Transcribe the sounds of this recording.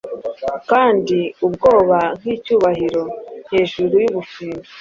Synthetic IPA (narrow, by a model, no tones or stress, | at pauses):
kaːndiubɡo̞ːβan̥iːcuːβaɦiɾo̞n̥he̞ːʒuɾujuβufiːndu